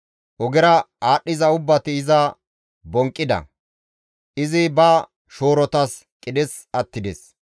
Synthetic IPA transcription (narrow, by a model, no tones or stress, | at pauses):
ʔɔɡɛɾɐaːɗːɪzɐʊbːɐt̪ɪːzɐ | bɔŋkʼːɪd̪ɐ̰ | ʔɪzɪbɐ | ʃoːɾɔt̪ɐskʼɪd̪ɛs | ɐt̪ːɪd̪ɛs